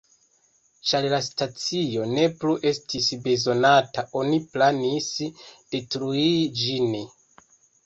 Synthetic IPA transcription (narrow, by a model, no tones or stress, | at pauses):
t͡ʃaɾlastat͡sijo̞ne̞pluʔe̞stʰisbe̞zo̞nataʔo̞niplanisd̥etɾuid͡ʒini